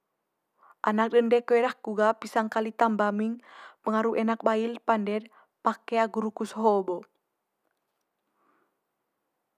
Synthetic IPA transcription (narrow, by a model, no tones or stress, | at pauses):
ʔa̰nak̚ɗəndɛkəɛɾahkuɡapisaŋkalit̪ambamiŋpəŋaɾuɛnak̚bailpandɛd | pakɛaɡuɾukusɦɔbɔ